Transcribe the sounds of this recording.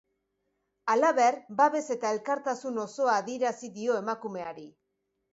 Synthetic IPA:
alaβe̞ɾbaβe̞se̞t̪ae̞lkaɾt̪asuno̞so̞aːðie̞ɾasiðio̞e̞makume̞aɾi

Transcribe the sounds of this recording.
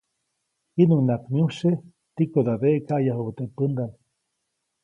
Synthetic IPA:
hinunakmjuʃe | t̪ikoðadeʔkajaɦobt̪epɨnd̪an

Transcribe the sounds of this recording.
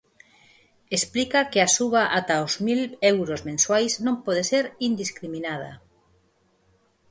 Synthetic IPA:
esplikakɪasuβaʔat̪aozmilɛwɾozmẽnswajsnõmpɔð̞eseɾind̪iskɾimĩnað̞ɐ̰

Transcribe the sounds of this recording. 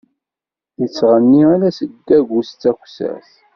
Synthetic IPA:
jət͡sːʁənːiælæsəd̪ːæɡʷust͡sːæxsæ̰s

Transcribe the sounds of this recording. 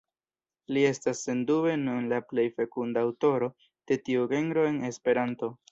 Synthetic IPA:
lie̞stasːe̞ndue̞nunlaple̞jfe̞kundaːwto̞ɾo̞ | d̥e̞tiuɡe̞nɾo̞e̞ne̞spe̞ɾanto̞

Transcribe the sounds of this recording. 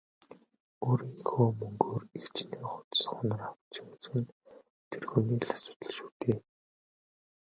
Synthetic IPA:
oːɾiːŋxoːmɵŋɡoːrixt͡ɕneːχʊ̥t̪sə̥̆χʊnə̆rawə̆t͡ɕʰim̆t͡sxɘ̆n | t̪ʰerxɵːniːɮḁsʊ̥ːt̪ə̆ɮʃuːt̪eː

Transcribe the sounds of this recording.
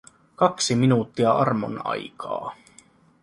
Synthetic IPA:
kɑksiminuːt̪ːiɑʔɑrmo̰nɑ̰jkʰɑ̰ː

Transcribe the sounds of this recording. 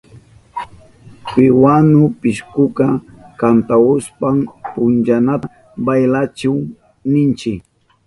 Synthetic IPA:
pɪwanʊpɪʃkʊka | kant̪aʊspampʊnd͡ʒana | bajlat͡ʃaw | nɪnt͡ʃɪk

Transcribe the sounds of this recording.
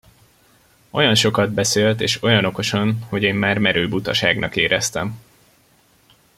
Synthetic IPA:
ʔo̞jɒnʃo̞kɒd̪bɛseːlt̪eːʃo̞jɒno̞ko̞ʃonho̞ɟeːmːaːrmɛɾøːbut̪ɒʃaːɡnʔɒ̰keːɾʔɛst̪ɛm

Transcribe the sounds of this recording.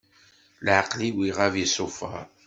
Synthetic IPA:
lʕaqliwiʁævisˤʊfɑ̰ɾ

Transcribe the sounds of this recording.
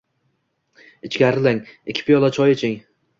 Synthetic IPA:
ɪt͡ʃkʲaɾɪlaŋɪkʲʰːɪ̥pʰɪjɒlˠat͡ʃʰɒjet͡ʃʰɪŋ

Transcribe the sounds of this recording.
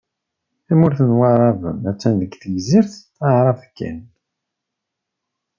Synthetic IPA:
imʊɾθənwaɾˤɑðˤə̰mæt͡sːænðəɡθəʝziɾθ | aʕɾˤɑvkːæ̰n

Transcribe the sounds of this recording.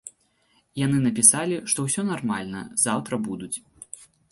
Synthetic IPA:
jan̪ɨnɐpʲisalʲiʂt̪ɔwsʲɔnarmalʲnɐ̰zawt̪ɾɐbud̪ut͡sʲ

